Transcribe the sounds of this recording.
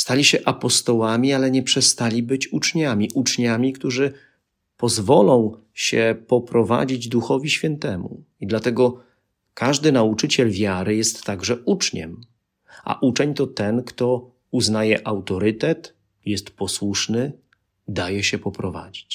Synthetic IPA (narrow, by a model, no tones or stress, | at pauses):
st̪alʲiɕɛʔapɔst̪ɔwamʲialɛɲɛpʂɛst̪alʲibɘt͡ɕut͡ʂɲamʲiʔut͡ʂɲamʲikt̪uʐɘ | pɔzvɔlɔ̃w̃ | ɕɛpɔpɾɔva̰d͡ʑid͡ʑd̪uxɔvʲiɕfʲjɛnt̪ɛmṵ | id̪lat̪ɛɡɔ | kaʐd̪ɘnaut͡ʂɘt͡ɕɛlvʲjaɾɘjɛst̪ːaɡʐɛut͡ʂɲɛ̰m | ʔa̰ʔut͡ʂɛɲt̪ɔt̪ɛnkt̪ɔ | uznajɛʔawt̪ɔɾɘt̪ɛt̪ | jɛst̪pɔswuʂnɘ | d̪ajɛɕɛpɔpɾɔva̰d͡ʑit͡ɕ